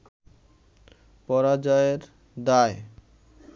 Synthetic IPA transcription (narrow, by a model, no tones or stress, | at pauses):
pɔɾad͡ʑaeɾ | d̪ae